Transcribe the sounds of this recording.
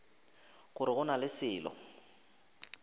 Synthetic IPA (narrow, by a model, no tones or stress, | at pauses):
ɣʊɾɪɣʊnalɪsɪːlɔ̰